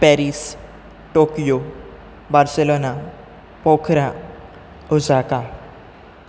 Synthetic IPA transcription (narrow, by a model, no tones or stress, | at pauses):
pɛɾiːs | ʈokijo | baɾselona | pɔkʰɾa | ud͡zaka